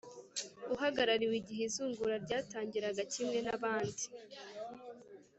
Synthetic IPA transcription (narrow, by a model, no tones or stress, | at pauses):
uɦaɡaɾaɾiwiɟiɦezuːŋɡuɾaɾɟaːtaːɲɟiɾaɡacimŋe̞naβaːndi